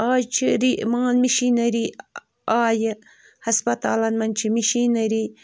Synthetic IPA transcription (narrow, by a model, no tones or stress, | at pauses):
aːjt͡ʃʰiɾimɐŋɐnmiʃinɐɾi | aːj | hɐspɐt̪a̰ːlɐnmɐnt͡ʃʰimiʃinɐɾi